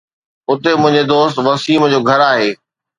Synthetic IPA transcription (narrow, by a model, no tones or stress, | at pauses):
ʊt̪emʊ̃ɦɪ̃ɲd͡ʑed̪oːst̪ʋɐsiːmd͡ʑoːɡʱɐɾaːɦeː